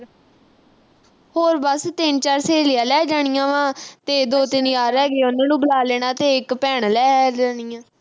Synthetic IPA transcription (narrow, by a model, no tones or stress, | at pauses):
hoːɾbəst̪ɪnt͡ʃaːɾseːlɪjaːlɛːd͡ʒaːɽ̃ɪjãːʋãːt̪eːd̪oːt̪ɪnjaːɾɛːɡeːʊnãːnũːbəlaːleːɽ̃aːt̪eːɪkpɛːɳlɛːɛd͡ʒaːnɪjãː